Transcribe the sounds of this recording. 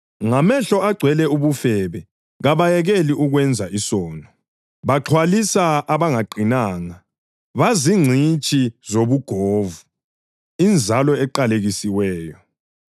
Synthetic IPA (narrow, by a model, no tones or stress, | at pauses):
ŋamɛɬɔaɡ͡ǀʱwɛlɛuβufɛβɛ | ɣaβajɛɣeliʔuɣwɛnd͡zʱaisɔːnɔ | βaǁʰwalisaːβaŋaɡ͡ǀʱinaːŋa | βaziŋ͡ǀʱit͡ʃʼizoβuɡ̥ʱoːvu | ind͡zʱalɔɛǃaleɣisiwɛːjɔ